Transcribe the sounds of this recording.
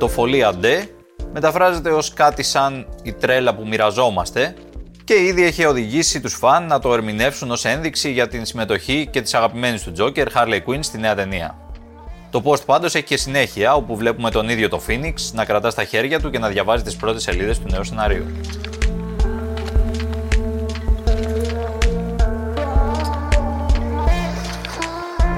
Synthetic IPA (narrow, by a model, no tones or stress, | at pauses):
t̪o̞fo̞liɐd̪e̞ | me̞t̪ɐfɾɐze̞t̪e̞o̞skɐt̪isɐnit̪ɾe̞lɐpumiɾɐzo̞mɐst̪e̞ | ce̞iðie̞çeo̞ðiʝisit̪usfɐnːɐt̪o̞e̞ɾmine̞fsuno̞se̞nðiksiʝɐt̪insime̞t̪o̞çice̞t̪isɐɣɐpime̞nist̪ud͡zo̞ce̞ɾxɐɾlekwinst̪ine̞ɐt̪e̞niɐ̰ | t̪o̞po̞st̪pɐnd̪o̞se̞çiçe̞sine̞çiɐo̞puvle̞pume̞t̪o̞niðʝo̞t̪o̞finiksnɐkɾɐt̪ɐst̪ɐçe̞ɾʝɐt̪uce̞nɐðʝɐvɐzit̪ispɾo̞t̪e̞se̞liðe̞st̪une̞use̞nɐɾiṵ